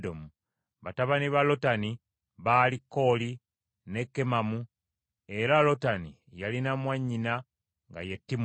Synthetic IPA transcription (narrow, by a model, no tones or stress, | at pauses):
domu | βataβaniβalo̞tani | βaːlikːo̞ːli | ne̞kːe̞mamu | e̞ɾalo̞tani | jalinamwaɲːina | ŋɡa̰jetːim